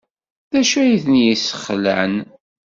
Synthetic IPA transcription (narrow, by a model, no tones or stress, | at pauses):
ðæʃæjiθnjisə̥χlæ̰n